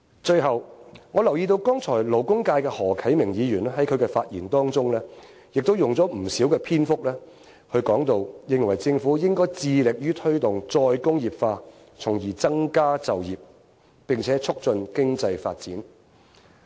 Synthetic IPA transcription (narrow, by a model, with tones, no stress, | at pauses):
t͡ʃɵ˧ɥɦɐ˨wŋɔ˨˧lɐ˨˩wjiː˧t̪̬o˧wkɔː˥ŋt͡sʰɔː˨˩jlo˨˩wkʊ˥ŋkaː˧jkɛː˧hɔː˨˩kʰɐ˨˥jmɪ˨˩ŋjiː˨˧jyː˨˩nɛ˥hɐ˨˥jkʰɵ˨˧ɥkɛ˧faː˧t̚jiː˨˩nt̪ɔː˥ŋt͡sʊ˥ŋlɛː˥ | jɪ˨k̚t̪o˥wjʊ˨˩ŋt͡sɔː˨˥m̩˨˩siː˨˥wkɛː˧pʰiː˥nfʊ˥k̚lɛː˥ | hɵ˧ɥkɔː˨˥ŋt̪o˧wjɪ˧ŋwɐ˨˩jt͡sɪ˧ŋfuː˨˥jɪ˥ŋkɔː˥jt͡siː˧lɪ˨k̚jyː˥t̪ʰɵ˥t̪ʊ˨ŋt͡sɔː˧jkʊ˥ŋjiː˨pfaː˧ | t͡sʰʊ˨˩ŋjiː˨˩t͡sɐ˥ŋkaː˥t͡sɐ˨wjiː˨p̚ | pɪ˨ŋt͡sʰɛː˨˥t͡sʰʊ˥k̚t͡sɵ˧nkɪ˥ŋt͡sɐ˧jfa̰ː˧t̚t͡siː˨˥n